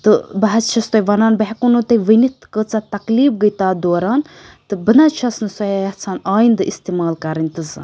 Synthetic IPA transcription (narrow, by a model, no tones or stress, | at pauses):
t̪ɨbɐɦɐt͡ʃʰɐst̪ojʋɐnaːnbɐɦʲɛkunot̪ɐjʋənit̪kət͡sat̪ɐkliːbɡəjt̪aːd̪oːɾaːn | t̪ɨbɨnat͡ʃʰɐsnɨsojjɐt͡sʰaːnaːjind̪ɨʔist̪eːmaːlkɐɾɨnʲt̪ɨz